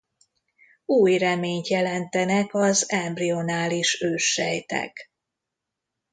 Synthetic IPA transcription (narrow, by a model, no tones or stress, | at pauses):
uːjrɛmeːɲt̪jɛlɛnt̪ɛnɛkɒzɛmbrionaːliʃøːʃːɛjt̪ɛ̰k